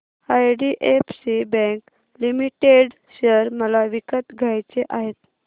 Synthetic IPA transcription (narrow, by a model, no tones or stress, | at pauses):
ajɖiʔefsibɛ̃ŋk | limiʈeɽ | ɕəɾməlaʋikət̪ɡʱajt͡seʔaɦet̪